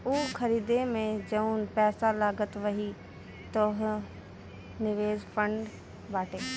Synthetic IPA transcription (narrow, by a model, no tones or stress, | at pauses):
uːkɐɾiːd̪emẽd͡ʑɐũnpɛːsalaːɡət̪ʋɐɦi | t̪oɦ | nɪʋeːzfʰə̃ɳɖ | baːʈeː